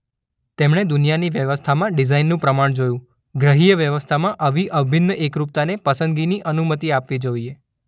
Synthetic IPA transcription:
t̪emɳed̪unijaniʋjəʋəst̪ʰamãɖɪzainːũpɾəmaɳ̃d͡ʒojũ | ɡɾəɦijəʋjəʋəst̪ʰamãʔəʋiʔəbʱinːəʔekɾup̚t̪anepəsə̃nd̪ɡiniʔənumət̪iapʋid͡ʒoie

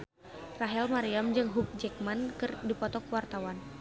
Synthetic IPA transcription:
raɦɛlmaɾiamd͡ʒɨŋɦuk̚d͡ʒɛk̚mankɨrdipɔt̪ɔkəwart̪awan

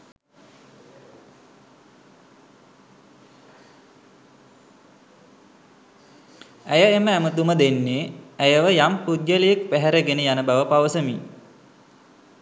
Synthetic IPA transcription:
æjəeməæmət̪uməd̪enːeæjəʋəjampud̪jələjəkpæɦæɾəɡenəjanəbaʋəpaʋəsəmi

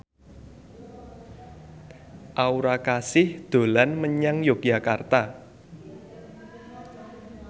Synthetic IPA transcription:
ʔauɾakasɪhd̪̥o̤lanməɲaŋjok̚ja̤kart̪a

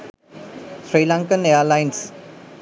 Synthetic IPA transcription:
sɾiːlãŋkənejəlajns

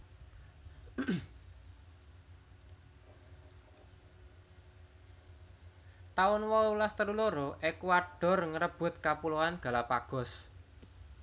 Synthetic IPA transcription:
t̪aʊnwɔulast̪əɾuloɾɔʔekwaɖ̥ɔ̤rŋəɾəb̥ʊ̤t̪̚kapuloanɡ̥a̤lapaɡ̥ɔ̤s

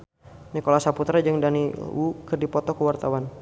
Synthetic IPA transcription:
nikolasaput̪ɾad͡ʒɨŋdanḭwukɨrdipɔt̪ɔkəwart̪awan

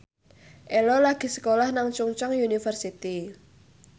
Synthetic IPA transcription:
ʔelɔlaɡ̥i̤sə̥kolahnaŋt͡ʃuŋt͡ʃɔŋjunifərsit̪i

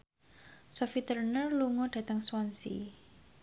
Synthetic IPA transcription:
sɔfit̪ərnərluŋɔd̥ä̤t̪əŋswɔnsḭ

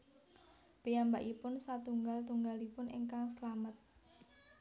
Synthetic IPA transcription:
pijambaʔipʊnsat̪uŋɡalt̪uŋɡalipʊnḭŋkaŋsəlamət̪̚

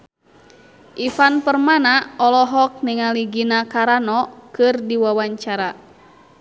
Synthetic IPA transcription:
ʔifanpərmanaɔlɔɦɔk̚niŋaliɡinakaɾanɔkɨrdiwawaɲt͡ʃaɾa

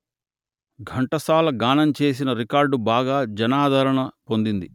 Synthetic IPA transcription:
ɡʱɐɳʈɐsaːlɐɡaːnɐmt͡ʃe̞ːs̬inɐɾikaːɾɖubaːɡaːd͡ʒɐnaːd̪ʱɐɾɐɳɐpo̞nd̪ind̪i

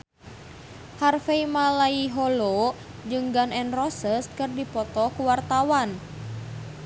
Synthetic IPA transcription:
harfeimalaiɦɔlo | d͡ʒɨŋɡanɛnrɔsəst̪̚kɨrdipɔt̪ɔkuwart̪awan

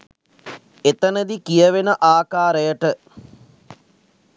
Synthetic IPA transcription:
et̪ənəd̪ikijəʋenəʔaːkaːɾəjəʈə

